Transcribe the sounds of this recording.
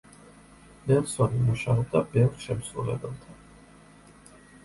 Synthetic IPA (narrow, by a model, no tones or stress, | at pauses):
nɛnsɔnimuʃaɔb̚d̪abɛvɾʃɛmsɾṵlɛ̰bɛlˠt̪ʰan